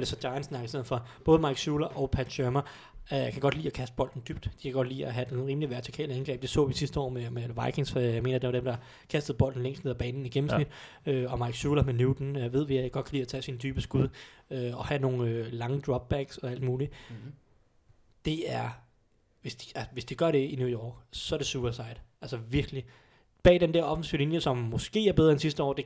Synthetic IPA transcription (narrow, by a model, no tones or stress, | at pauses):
ɾesɒ̽d̥ɑ̈ɪnsnɑ̈ɡəsteð̰ˠn̩fɒ̽b̥ɔ̽ð̞ˠmɑ̈ɪɡ̥ɕuːlɐʔɒ̽ʊpʰæd̥ɕømɐ | jakʰæɡ̥ɒ̽d̥lḭːɒkʰæsd̥̚b̥ɒ̽l̰d̥n̩d̥yb̥̚d̥d̥ikʰæɡ̥ɒ̽d̥lḭːɒɦæd̥enʁiːmliʋæɐt͡sʰi̥kʰɛ̰ːləænɡ̥ʁɛ̰ːb̥d̥e̝sɔ̰ːʋisisd̥əɒ̰ːmemeʋɑ̈ɪkʰe̝ŋsfɒjɑ̈me̝ːnɐd̥eʋɑ̈d̥emd̥ɑ̈ | kʰæsd̥ð̩ˠb̥ɒ̽l̰d̥n̩leŋ̰sdne̝ð̰ˠb̥ɛːnn̩iɡ̥em̩snnid̥ | øɒ̽mɑ̈ɪɡ̥suːlɐmenud̥n̩ʋe̝ð̞̰ˠʋejɡ̥ɒ̽d̥̚kʰælḭːɐt͡sʰɛ̰ːsinəd̥yːb̥əsɡ̥uð̞ˠøɒ̽hæno̝ːn̩ølɑ̈ŋəd̥ʁɒ̽b̥̚ːæɡ̥sɒ̽æl̰d̥muːli | d̥e̝æɐ | ʋe̝sd̥i̥æsʋe̝sd̥iɡ̥ɶɐɾe̝injujɒːɡ̥sɒ̽ɐɾ̥e̝suːb̥ɐsɑ̈ɪd̥ælsɐʋiɐɡ̥əli | b̥ɛ̰ːdend̥eɐɒ̽fn̩siʊ̰linjəsɒ̽mːɔ̽sɡ̥e̝̰ːæɐb̥eð̞ˠɐensisd̥əɒ̰ːd̥e̝